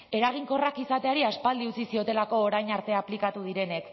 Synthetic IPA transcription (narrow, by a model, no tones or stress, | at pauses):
e̞ɾaɣ̞iŋko̞rakisat̪e̞aɾiaspald̪iut͡sisio̞t̪e̞lako̞ːɾajɲaɾt̪e̞aplikat̪uð̞iɾe̞ne̞k